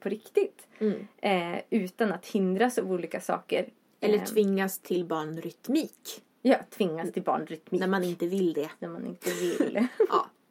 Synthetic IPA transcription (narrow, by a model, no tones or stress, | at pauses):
pʰɔɾɪkt̪ɪt̪ː | ʉ̟ːt̪anat̪hɪnd̪ɾasavuːliːkasɑ̰ːkə̰ɾ | ɛlːəʈ̪ʰvɪŋːast̪ʰɪlbɑːɳɾʏt̪miːk | jɑːt̪ʰvɪŋːast̪ʰɪlbɑ̰ːɳɾʏt̪miːnæmanɪnt̪əvɪld̪ɛnæɾmanɪ̰nt̪əvɪlː